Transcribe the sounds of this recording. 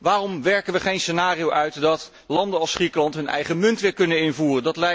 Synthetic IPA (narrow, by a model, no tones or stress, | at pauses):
ʋaːrɔmʋɛɹkənʋəχejnsənaːriowʔœɥtdɑt | lɑndənɑlˠsχrikəlɑntɦɵnɛ̰jχəmɵntʋɪːɹkɵnənɪnvuːrəndɑtlɛ